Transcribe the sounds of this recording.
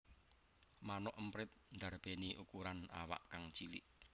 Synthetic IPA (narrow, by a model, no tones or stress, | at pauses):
manɔʔəmpɾɪt̪̚nd̪a̤rb̥eniʔukuɾana̰wa̰ʔkaŋt͡ʃilɪ̰ʔ